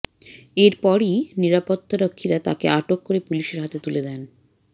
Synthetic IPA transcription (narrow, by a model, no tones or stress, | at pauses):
eɾpɔɾiniɾapot̪ːaɾokʰːiɾat̪a̰keaʈokːoɾepuliʃeɾɦat̪et̪uled̪ɛn